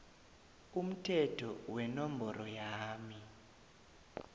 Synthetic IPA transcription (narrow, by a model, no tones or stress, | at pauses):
um̩tʰɛtʰɔwɛnɔmbɔrʔɔjaːmi